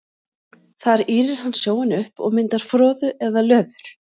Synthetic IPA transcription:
θaɾiːɾɪɾ̥hanːsjoːwɪnʏhpɔ̰ɣmɪnt̪aɾ̥fɾɔːðʏʔɛðalœːðʏɾ̥

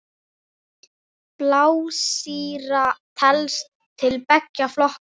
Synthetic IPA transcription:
plaːwsiːɾat̪ʰɛlst̪ʰːɪlpɛcːaflɔhk

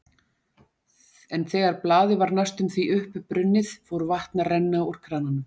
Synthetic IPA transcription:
ɛnθɛːɣaɾplaːðɪvaɾnast̪ʏmθviʔʏhpʏpɾʏnːɪðfowɾvaht̪narɛnːaur̥kʰɾaːnanʏm

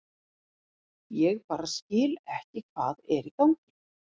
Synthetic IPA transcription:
jɛɣpaːɾascɪːlɛhcɪkʰv̥aːðɛɾikawŋcɪ̥

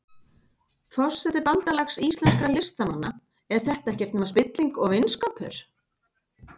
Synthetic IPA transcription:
fɔsːɛt̪ɪɾpant̪alaxsiːsɛnskɾalɪst̪ananːa | ɛɾ̥θɛht̪aɛhcɛɾ̥t̪nːmaspɪt̪liŋkɔɣvɪnskawpʰʏ̰ɾ̥

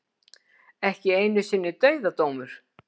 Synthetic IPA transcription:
ɛhcɪejnʏsɪnːʏt̪œɥðat̪oːwmʏɾ̥

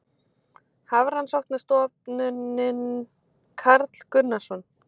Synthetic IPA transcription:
havɾ̥hanːsɔwht̪nast̪ɔt̪nʏnɪn | kʰaɾt̪l̥kʏnːasɔn

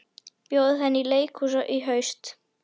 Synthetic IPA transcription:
pjoːwðhɛnːileːjkʰhus̬ɔʔiɦœɥst̪

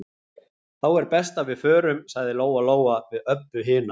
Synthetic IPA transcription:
θawɛɾpɛst̪avɪðfœːɾʏmsaɣðɪloːwaloːwavɪðœpːʏɦɪːna

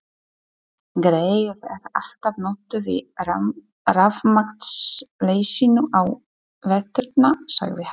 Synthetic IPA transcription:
ɡɾeːjɾɛɾal̥t̪avnoːt̪ʏvɪ̰ | ravmaxt̪sleːjsinʏʔaw | vɛt̪ʏɾt̪̚nasa̰ɣvɪh

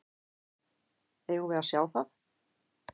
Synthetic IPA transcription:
ɛɣuvɛðasjaːwθaθ

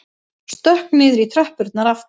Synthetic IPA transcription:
st̪œhknɪðɾit̪ʰɾœhpʏɾt̪naɾaf

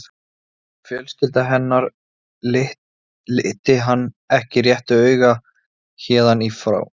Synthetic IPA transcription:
fjœlst̪ɪlt̪aɦɛnːaɾ | ɪh | ɪht̪ɪɦanː | ɛhcɪrjɛht̪ʏœːɥɣa | çɛːðanifɾa̰ːw

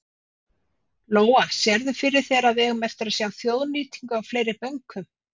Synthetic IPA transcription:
loːwasjɛɾðʏfɪɾɪɾ̥θɛːɾaðvɛɣmɛft̪ʏɾasjawθjoːwðniːt̪iŋkʏawfleːjɾɪpœŋkʰʏm

